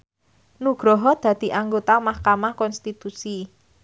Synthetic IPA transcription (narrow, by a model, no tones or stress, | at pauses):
nuɡ̥ɾɔɦɔd̪̥ä̤d̪̥i̤ʔaŋɡot̪amahkamahkɔnst̪it̪usi